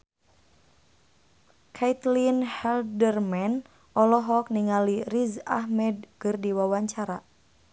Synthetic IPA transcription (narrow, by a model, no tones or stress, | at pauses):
kʰait̪linhɛldərmɛn | ʔɔlɔɦɔk̚niŋaliriza̰hmɛd̚kɨrdiwawaɲt͡ʃaɾa